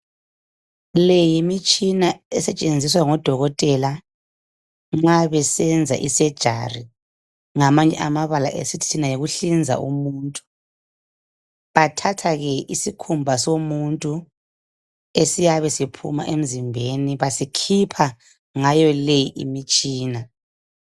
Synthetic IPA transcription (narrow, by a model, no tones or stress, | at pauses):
lejimit͡ʃʼinaɛsɛt͡ʃʼend͡zʱiswaŋɔd̥ʱɔɣɔtʼɛla | ŋ͡ǁaβɛsɛnd͡zʱa̰ʔisɛd̥ʒ̥ʱa̰ri | ŋamaɲɛ̰ʔamaβala̰ʔesitʰi̥tʰinajiɣuɬind͡zʱa̰ʔṵmuːntʼu̥ | βatʰatʰaɣɛisikʰumbʱasomuntʼu | esijaβɛsipʰṵma̰ʔem̩zimbʱeniβasikʰipʰa | ŋajɔlejiʔḭmit͡ʃʼiːna